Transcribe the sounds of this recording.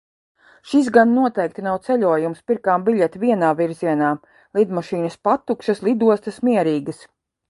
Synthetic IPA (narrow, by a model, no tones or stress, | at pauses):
ʃis̬ɡanːuɔt̪ɛjk̚t̪inawt̪sɛlʲuɔjumspiɾkaːmbiʎʲɛt̪viɛnaːviɾziɛnaː | lˠid̪maʃiːnɐspat̪ːukʃɐslˠid̪uɔst̪ɐsmiɛɾiːɡɐs